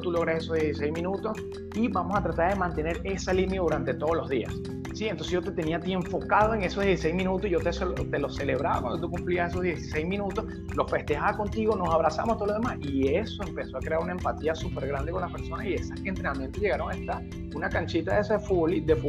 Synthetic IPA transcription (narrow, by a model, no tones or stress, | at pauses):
t̪uloɣɾaseso̞hðjesis̬e̞jzmĩnut̪o̞s | iβamo̞sat̪ɾat̪aɾðe̞mãnt̪e̞ne̞ɾe̞salinjaðuɾant̪e̞t̪o̞ð̞olo̞zðia̰sː | ienonseʝo̞t̪e̞t̪e̞niat̪ie̞ɱfo̞kað̞o̞e̞ŋe̞soðjesisejzminut̪oiʝot̪eot̪e̞lo̞se̞le̞β̞ɾaβa̰kwa̰nd̪ot̪ukumpliase̞soðjesisejzmĩnut̪os | lo̞fe̞st̪e̞haβako̞nt̪iɣo̞no̞saβɾasa̰most̪oolo̞ðemasie̞so̞e̞mpe̞so̞akɾe̞aɾunae̞mpat̪iasupe̞ɾɣɾand̪eko̞nlaspe̞ɾso̞nasie̞sasent̪ɾenamje̞nt̪oʝe̞ɣaɾo̞ŋaest̪aɾ | unakant͡ʃit̪aesaðefuβolid̪efu